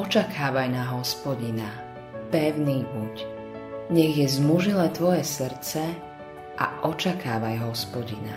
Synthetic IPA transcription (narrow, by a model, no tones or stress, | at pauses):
ɔt͡ʃakʰaːʋajnaɦɔspɔɟina | pɛʊniːbuc | ɲɛɣjɛzmuʒilɛːt̪ʋɔjɛsr̩t͡sɛ | ʔa̰ʔɔt͡ʃakaːʋajɦɔspɔɟina̰